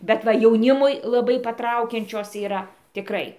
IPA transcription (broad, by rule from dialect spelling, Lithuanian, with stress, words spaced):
bʲɛt ˈʋɐ jɛʊˈnʲɪmʊɪ lˠɐˈbɐɪ pɐˈtrɐʊkʲɛnʲt͡ʃʲoːs iːˈrɐ tʲɪˈkrɐɪ